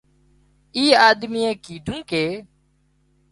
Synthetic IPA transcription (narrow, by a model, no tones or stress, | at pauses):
iːaːd̪miːẽːkiːɖʱũːkeː